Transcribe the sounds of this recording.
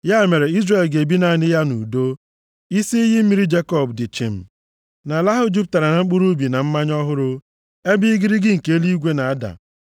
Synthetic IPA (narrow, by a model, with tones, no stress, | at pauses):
ja˦˨me˨ɾe˨i˦zre˨lɡe˨bi˦na˨nɪ˦ja˦nṵ˨do˦ | i˦si˦i˦ɦɪ˦m̩˦mi˦ɾi˦d͡ʒe˦kɔ˨bdɪ˨t͡ʃɪ̰˨m̩˨ | na˨la˦ɦʊ˦d͡ʒu˦p̚ta˨ɾa˨na˨ŋ͡m̩˦k͡pu˦ɾu˦bi˨na˨m̩˦ma˦ɲɔ˦ɦʊ˦ɾʊ˦ | e˦bɪ˦ɡɪ˦ɾi˦ɡɪ˦ŋ̩˨ke˦li˦ɡʷe˦na˨a˦da̰˨